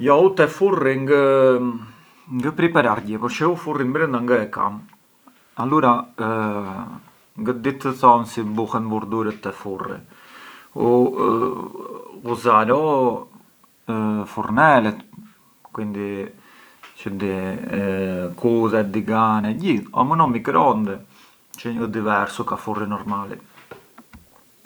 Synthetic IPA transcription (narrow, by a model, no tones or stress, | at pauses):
jɔut̪ɛfuriŋɡə | ŋɡəpɾipɛɾaɾɟɛpɔʃɛufurimbɾənd̪aŋɡəɛka̰m | aluɾa | ŋɡəd̪it̪əθɔnsibuhɛnbuɾd̪uɾət̪ːɛfurḭ | u | uzaɾɔ | fuɾnɛlɛt̪ | kwind̪i | t͡ʃəd̪i | kʰuðɛd̪iɡanɛɟiðɔ̰mənɔmikɾɔnd̪ɛ | t͡ʃəəd̪ivɛɾsukafurinɔɾmalḭ